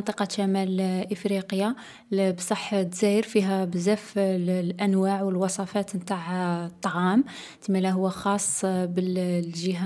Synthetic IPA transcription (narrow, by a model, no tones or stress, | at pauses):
nt̪ˤiqɑʃæmælʔəfɾiqəja | bsˤɑħːt̪zæjəɾfiɦæbzæflʔænwaʕwəlwɑsˤɑfæt̪mt̪aʕt̪ˤːɑʕɑm | t̪əmælæɦʊwːæxɑsˤːbəlʒəɦa